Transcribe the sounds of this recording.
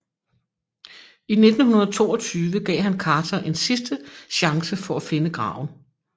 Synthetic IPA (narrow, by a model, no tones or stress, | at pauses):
ine̝d̥n̩ɦunɐð̩ˠt͡sʰo̝̰ːɒ̽t͡sʰyːʋəɡ̥ɛ̰ːɪɦænkʰɑ̈ːt͡sʰɐʔe̝nsisd̥əɕɑ̈ŋsəfɒ̽æfe̝nəɡ̥ʁɑ̰̈ːʊ̰n̩